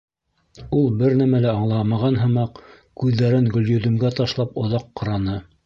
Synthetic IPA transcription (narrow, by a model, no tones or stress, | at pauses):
ulˠbɘɾnæmælæɑɴlˠɑmɑʁɑnɦɤ̆mɑq | kʉðːæɾɘŋɡɵ̆ljɵ̆ðɵ̆mɡæt̪ɑʃlˠɑpŏðɑqːɤ̆ɾɑnɤ